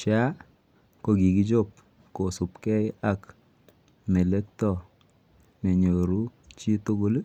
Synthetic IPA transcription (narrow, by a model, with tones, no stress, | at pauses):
t͡ʃa˦ | ko˦˨ɡi˨ɡi˦d͡ʒo˦p̚ | ko˨sʊ˨pkɛ˦ɪ˦a˦k | mɛ˨lɛ˦k̚tɔ˦˨ | nɛ˨ɲo˨ɾu˦ | t͡ʃi˦to˦ɡo˦l